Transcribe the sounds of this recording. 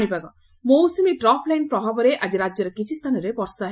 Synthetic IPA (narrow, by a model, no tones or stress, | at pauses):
ɽ̃ibaɡɔ | mowsimiʈɾɔpʰlajnpɾɔbʱabɔɾeʔad͡ʒiɾad͡ʒjɔɾekit͡ʃʰist̪ʰanɔɾebɔɾsaɦ